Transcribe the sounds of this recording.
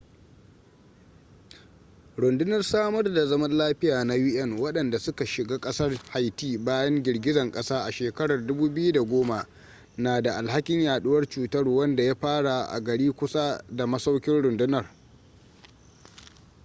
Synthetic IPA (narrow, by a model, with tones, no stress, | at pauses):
ɽʊ˨ndɪ˦nɐ˨rsaː˦mɐ˦rda˨zɐ˦mɐ˦nlaː˦ɸɪ˦jaː˨na˦jɪ˦ʔɛ˦˨ŋwɐ˦ɗɐ˨nda˨sʊ˦ka˨ʃɪ˨ɡaː˦kʼɐ˦sɐ˦rha˨jtiː˦baː˦jɐ˦ŋɡʲɪ˨ɽɡʲɪ˦zɐ˨ŋkʼɐ˦saː˦ʔa˨ʃeː˨kɐ˦ɽɐ˨rdʊ˦buː˦bɪ˦ju˦da˨ɡʷoː˦ma˨ | naː˨da˨ʔa˨lha˦kʲɪ˦ɲjaː˨ɗʊ˦wɐ˦rt͡ʃuː˨tɐ˦rwɐ˦nda˨ja˦ɸaː˦ɽa˨ʔa̰˨ɡɐ˨ɽiː˦kʷʊ˦sa˦da˨mɐ˦sa˦wkʲɪ˦nɽʊ˨ndʊ˦nɐ˨r